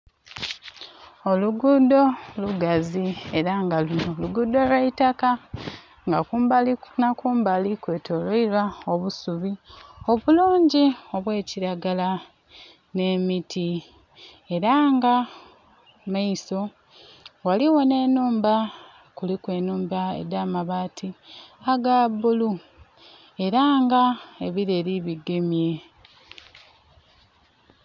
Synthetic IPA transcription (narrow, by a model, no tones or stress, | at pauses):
o̞luɡudo̞luɡazie̞ɾaŋɡaluno̞luɡudo̞lweitaka | ŋɡakumblnakuːmbalikwe̞ːtʰo̞loilwao̞βusuβio̞βuluːɲɟio̞βwe̞ːciɾaɡala | ne̞mitʰi | e̞ɾaːŋɡa | maiso̞ | waliwo̞ne̞ːnuːmba | kulikwe̞ːnuːmbaḛdaːmaβaːtʰiaɡabulu | e̞ɾaːŋɡae̞βiɾe̞ɾiβiɡe̞mje̞